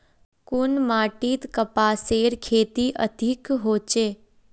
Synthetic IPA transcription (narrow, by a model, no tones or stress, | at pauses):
kʊnmaːʈit̪kəpaːseːɾkʰeːt̪iʔə̰d̪ʱikɦoːt͡ʃeː